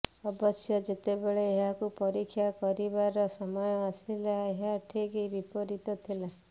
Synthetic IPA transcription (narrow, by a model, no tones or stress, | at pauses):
ɔbɔsjɔd͡ʒet̪ebeɭeːɦakupɔɾikʰːjakɔɾibaɾɔsɔmɔjɔasilaeɦaʈʰikibipɔɾit̪ɔt̪ʰila